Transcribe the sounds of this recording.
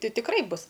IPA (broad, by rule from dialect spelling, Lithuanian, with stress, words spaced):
ˈtʲɪ tʲɪkˈrɐɪ ˈbʊs